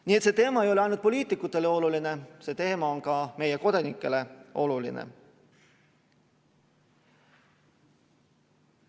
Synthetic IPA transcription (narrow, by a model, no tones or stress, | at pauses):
nie̞t̪se̞ːt̪e̞ːmɑejo̞leɑjnut̪̚po̞lʲiːt̪ːˑikːˑut̪ːˑe̞leo̞luline̞se̞ːt̪e̞ːmɑonkɑme̞jeko̞d̪̥ɑnikːˑe̞le̞o̞lulḭnḛ